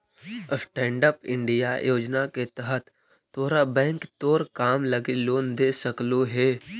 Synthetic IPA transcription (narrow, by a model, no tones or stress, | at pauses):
sʈɛ̃ːɳɖəpɪ̰̃ɳɖija̰joːd͡ʒnaket̪əɦət̪ː | oːɾabɛ̃ːŋkt̪oːɾkaːmləɡiloːnd̪eːsəkloɦɛː